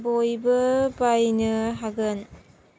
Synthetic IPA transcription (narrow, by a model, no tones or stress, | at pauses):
bojbɯbajnɯɦaɡɯn